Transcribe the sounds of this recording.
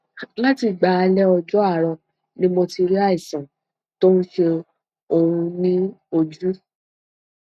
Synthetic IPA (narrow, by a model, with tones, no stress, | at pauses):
la˦ti˨ɡ͡ba˨˦a˧lɛ˦ɔ˧d͡ʒɔ˦a˦˨ɾɔ˧ | nĩ˦mɔ̃˧ti˧ɾi˦a˦˨i˨sã˨ | to˦n̩˦ʃe˧ | o˧ũ˧nĩ˦o˧d͡ʒu˦